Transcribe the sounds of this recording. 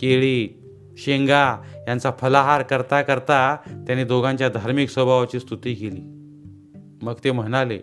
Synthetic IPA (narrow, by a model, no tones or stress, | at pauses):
keɭiː | ɕeŋɡajant͡safʰəlaɦaɾkəɾt̪akəɾt̪at̪janiːd̪oɡãɲt͡ɕjad̪ʱaɾmiksəbʱaʋat͡ɕiːst̪ʰut̪iːkeliː | məɡt̪em̤əɽ̃ale